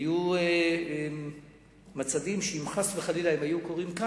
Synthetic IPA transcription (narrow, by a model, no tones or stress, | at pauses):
ju | mat͡sad̪imʃeimχasveχalilaimajukoʁimka